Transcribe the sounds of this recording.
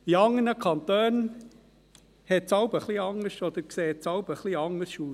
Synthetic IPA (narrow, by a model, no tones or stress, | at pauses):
iɑŋːənəkʰɑnt̪øːn | hɛtt͡sɑʊbəχliɑŋːəʃɔd̪əkseːtt͡sɑʊb̥əχliɑŋːəsʃuː